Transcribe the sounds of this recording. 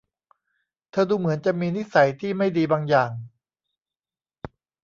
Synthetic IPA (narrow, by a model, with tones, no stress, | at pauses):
t̪ʰɤː˧duː˧mɯ˩˦ənt͡ɕa˨˩miː˧ni˥sa˩˦jt̪ʰiː˥˩ma˥˩jdiː˧baː˧ŋjaː˨˩ŋ